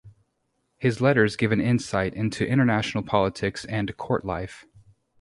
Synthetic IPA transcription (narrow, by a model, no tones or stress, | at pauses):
hɨzlɛɾə˞zɡɪvɨ̃nɪ̃nsaɪɾɪ̃ntʰʉʔɪ̃ɾ̃ə˞næʃn̩l̩ˠpʰɑlˠətʰɪksɨ̃nkʰɔɹʔˡla̰ɪf